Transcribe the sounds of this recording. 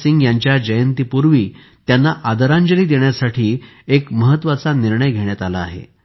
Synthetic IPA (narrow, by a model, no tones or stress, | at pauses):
siŋɡjaɲt͡ɕjad͡ʑəjənt̪ipuɾʋiː | t̪janːaʔad̪əɾaɲd͡ʑəliːd̪eɳjasaʈʰiː | ekməɦət̪ːʋat͡saniɾɳəjɡʱeɽjat̪ala̰ːɦḛ